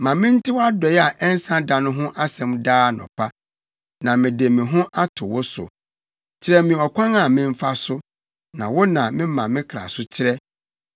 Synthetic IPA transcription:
mã˨mɪ̃˦n̩˦tʰɪ˦wɔ˦a˦dɔ˨jɛ˦a˨ʔɛ˦n̩˦sã˦da˨nʊ̃˦ɦʊ̃˦ʔa˦sɛ̃˨mdaː˦˨nʊ̰̃˨pʰa˦ | nã˨mɪ̃˨de˨mĩ˨ɦʊ̃˦ʔa˦tʰʊ˨wʊ˦sʊ̰˨ | t͡ɕʰɪ˦ɾɛ˦mĩ˨ɔ˨kʷʰã˦ŋa˦˨mɪ̃˦m˦fa˦sʊ˦ | nã˨wɔ˦nã˨mɪ̃˦mã˨mɪ̃˦kʰɾa̰˨sʊ˦t͡ɕʰɪ˦ɾɛ˦

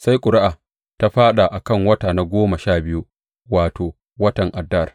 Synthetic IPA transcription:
sa˦jkʷʼʊ˨ɾɪ˦ʔaː˨ | ta˦ɸaː˦ɗa˨ʔa˨kɐ˦˨ŋwɐ˦taː˨na˦ɡʷoː˦ma˨ʃaː˦˨bɪ˦ju˦ | waː˨toː˨ | wɐ˦tɐ˨ŋʔa˨dːɐ˦˨r

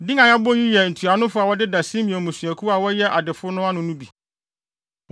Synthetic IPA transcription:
dɪ̃˦ŋã˨ja˦bɔ˦ji˦jɛ˨n̩˨tʰu˨a˨nʊ̃˦fʊ˦a˨wɔ˦dɪ˦da˨sĩ˦mĩ˨ɛ̃˨mũ˨sɥæ˨kʰu˦a˨wɔ˦jɛ˦ʔa˨dɪ˨fʊ˦nʊ̃˦a˦nʊ̃˦nʊ̃˦bi˨

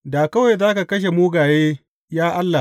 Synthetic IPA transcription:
daː˨kɐ˦wa˨jzaː˦ka˨kɐ˦ʃ̬e˨muː˦ɡaː˨jeː˦ | jaː˦ʔa˦lːa˨

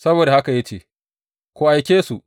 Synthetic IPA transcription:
sɐ˦boː˨da˨ha˦ka˨ja˦t͡ʃeː˨ | kʷu˨ʔa˨jkʲeː˦su˨ʔ

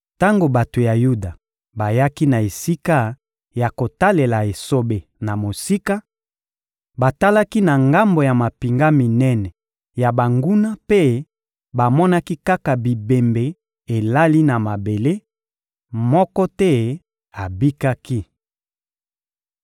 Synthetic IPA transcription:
ta˦ŋɡo˨ba˨to˨ja˨ju˦da˨ | ba˨ja˦ki˦na˨e˨si˦ka˦ | ja˨ko˨ta˦le˨la˨e˨so˦be˨na˨mo˨si˦ka˦ | ba˨ta˦la˦ki˦na˨ŋɡa˦mbo˨ja˨ma˨pi˨ŋɡa˦mi˨nɛ˦nɛ˨ | ja˨ba˨ŋɡu˦na˦pe˦ | ba˨mɔ˦na˦ki˦ka˦ka˨bi˨be˨mbe˨ | e˨la˦li˦na˨ma˨be˨le˦ | mɔ˦kɔ˦tɛ˦ | a˨bi˦ka˦ki˦

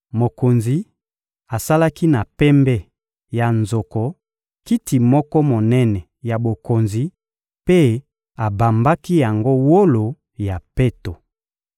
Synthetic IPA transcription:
mo˨ko˨nzi˨ | a˨sa˦la˦ki˦na˨pɛ˦mbɛ˦ | ja˨nzo˨kɔ˨ | ki˦tʰi˨mɔ˦kɔ˦mo˨nɛ˦nɛ˨ | ja˨bo˨ko˨nzi˨ | pe˦ | a˨ba˨mba˦ki˦ja˨ŋɡo˦wo˦lo˨ | ja˨pɛ˦to˨

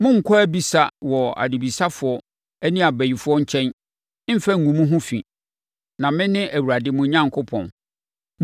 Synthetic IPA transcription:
mʊ̃˦ŋ̩˨kʰɔ˦æ˦bi˨sa˦wɔ˨a̰˨dɪ˨bi˨sa˦fʊ˨˦ɔ˦ | æ˦nĩ˦a˨bæ˨ji˨fʊ˦ɔ˦ɲ̩˦t͡ɕʰɛ̃˦n˦ | m̩˦fɛ˦ŋ̩˨ŋũ˨mũ˦ɦʊ̃˦fḭ̃˨ | nã˨mɪ̃˦nɪ̃˦ʔæ˨wu˨ɾa˨dɪ˦mʊ̃˦ɲã˦ŋkʰʊ˦pʰɔ̰̃˨n

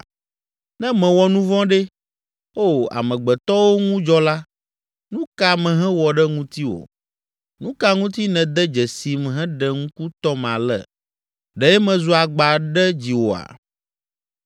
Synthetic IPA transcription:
nɛ̃˦mɛ̃˨wɔ˨nũ˦vɔ̃˦ɖɛ˦ | o˦˨a̰˨mɛ̃˨ɡ͡bɛ˨t̪ɔ˦wo˦ŋũ˦d͡ʒɔ˦la˦ | nũ˦ka˦mɛ̃˨ɦɛ̃˦wɔ˨ɖɛ˦ŋũ˦t̪i˦wo̰˨ | nũ˦ka˦ŋũ˦t̪i˦nɛ̃˨d̪ɛ˦d͡ʒɛ˨si˨mɦɛ̃˦ɖɛ˨ŋũ˦ku˦t̪ɔ˦ma̰˨lɛ̰˨ | ɖɛ˨jɛ˦mɛ̃˨zu˦a˨ɡ͡ba˨ɖɛ˦d͡ʑi˨wo˨a̰˨

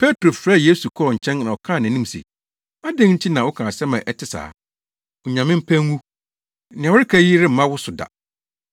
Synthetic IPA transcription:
pʰe˦tʰɾo˨fɾaː˦˨jeː˦su˨kʰɔ˦ɾɔ˨ɲ̩˨t͡ɕʰɛ̃˦nnã˨wɔ˨kʰãː˦˨nã˨nĩ˦m˨sḛ˨ | a˦dɪ̃˦ŋɲ̩˦t͡ɕʰi˦nã˨wʊ˦kʰãː˨sɛ˦mã˨ʔɛ˦tʰɪ˨sa̰ː˨˦ | ʊ˨ɲã˨mɪ̃˦m̩˦pʰæ̃˦ŋː˦ũ˦ | nɪ̃˨wʊ˦ɾɪ˦kʰæ˦ji˦ɾɪ˦m̩˨mã˦wʊ˦sʊ˨da̰˨

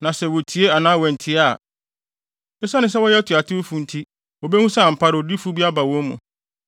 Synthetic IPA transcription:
nã˨sɛ˨wo˨tʰi˨e˦a˨nãː˦wɛ̃˨n̩˨tʰi˦a˨ | ɛ˦sa˦nɪ̃˦sɛ˦wɔ˦jɛ˦tʰʊ˨a˨tʰɪ˦ʊ˦fu˨n̩˨tʰi˦ | wo˨be˦hũ˦sɛ˦a˨m̩˨pʰa˦ɾɪ˨ɔ˨di˦fu˦bi˦a˦ba˨wɔ̃˦mṵ̃˨

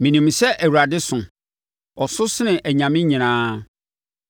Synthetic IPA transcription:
mĩ˨nĩ˨msɛ˦ʔæ˨wu˨ɾa˨dɪ˦sʊ̃˨ | ɔ˨sʊ˦sɪ˦nɪ̃˨ʔɛ˨ɲã˨mɪ̃˦ɲĩ˨nãː˦

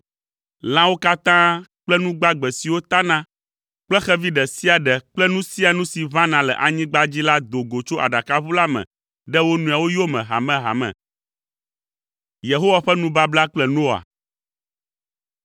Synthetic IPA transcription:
lã˦wo˦ka˦t̪ã˦k͡plɛ˦nũ˦ɡ͡ba˦ɡ͡bɛ˨si˨wo˦t̪a˦nã˦ | k͡plɛ˦xɛ˦vi˦ɖɛ˨si˦a˨ɖɛ˨k͡plɛ˦nũ˦si˦a˨nũ˦si˨vã˦nã˨lɛ̰˨ʔa˨ɲĩ˦ɡ͡ba˦d͡ʑi˦la˦d̪o˨ɡo˨t͡ʃo˦ʔa̰˨ɖa˨ka˦βu˦la˦mɛ̰̃˨ | ɖɛ˦wo˦nũ˨a˨wo˦jo˦mɛ̃˨ɦa̰˨mɛ̃˨ɦa̰˨mɛ̰̃˨ | je˨ɦo˦wa˨ɸɛ˦nũ˦ba˦bla˦k͡plɛ˦no˦a̰˨

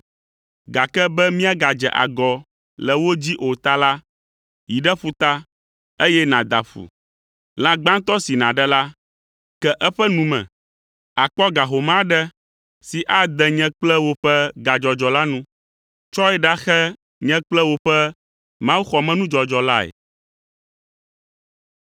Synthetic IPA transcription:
ɡa˨kɛ˦bɛ˦mĩ˦a˦ɡa˨d͡ʒɛ̰˨ʔa̰˨ɡɔ˨ | lɛ˨wo˦d͡ʑi˦ʔo˨t̪a˦la˦ | ji˨ɖɛ˦ɸu˦t̪a˦ | e˦jɛ˦nã˨d̪a˨ɸṵ˨ | l̃ã˨ɡ͡bã˦nt̪ɔ˦si˨nã˨ɖɛ˦la˦ | kɛ˦ʔɛ˦ɸɛ˦nũ˨mɛ̰̃˨ | a˨k͡pɔ˦ɡa˨ɦo˨mã˦ɖɛ˦ | si˨ʔa˦d̪ɛ˨ɲɛ̃˦k͡plɛ˦wo˦ɸɛ˦ɡa˨d͡ʒɔ˨d͡ʒɔ˨la˦nũ˦ | t͡ʃɔ˦ɛ˦ɖa˦xɛ˦ | ɲɛ̃˦k͡plɛ˦wo˦ɸɛ˦ | mã˦wu˦xɔ˨mɛ̃˦nũ˦d͡ʒɔ˨d͡ʒɔ˨la˦ɛ̰˨

